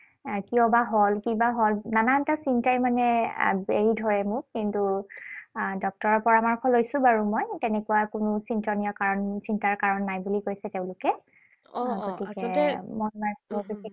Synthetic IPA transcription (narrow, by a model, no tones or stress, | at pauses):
kiɔbaɦolkibaɦolnanatasintajmanɛbeɹidʱɔɹɛmʊkintu | dɔk̚tɔɹɔpɔɹamaɹkʰɔlojsʊ̃baɹumɔjtɛnɛkuwakʊnʊsintɔnijɔkaɹɔnsintaɹkaɹɔnːajbulikojsɛteʊ̃lʊkɛ | ɡotikɛmɔnmaɔui